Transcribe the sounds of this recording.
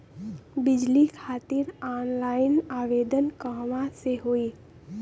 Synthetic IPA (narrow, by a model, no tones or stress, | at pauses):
bɪd͡ʒlikʰaːt̪ɪɾaːnlaːɪnaːʋeːd̪ənkəɦʋãseɦoiː